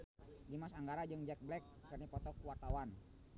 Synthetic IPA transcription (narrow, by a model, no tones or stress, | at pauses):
dimasaŋɡaɾad͡ʒɨŋd͡ʒɛk̚blɛkːərnipɔt̪ɔkuwart̪awan